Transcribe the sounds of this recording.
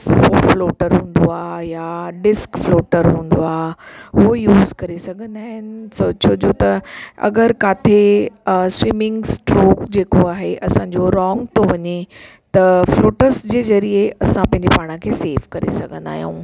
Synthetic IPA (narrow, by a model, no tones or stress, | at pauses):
ofloːʈəɾɦũːnd̪oaːjaɖɪskfloːʈəɾɦũːnd̪oaːʊɦojuːzkɐɾesɐɡʱə̃nd̪aːɦɪnɪ̆soːt͡ɕod͡ʑot̪ɐɐ̰ɡəɾkaːt̪ʰe | swimɪ̃ŋɡsʈɾoːkd͡ʑeːkoaːɦeʔɐsãːɲd͡ʑoɾɔːŋɡt̪oʋɐɲe | t̪ɐfloːʈəɾsd͡ʑeːzɐɾieɐsãpɐ̃ɦɪɲd͡ʑepaːɽ̃əkʰeːseːʋkɐɾḛsɐɡʱə̃nd̪a̰ːɦjṵ̃ː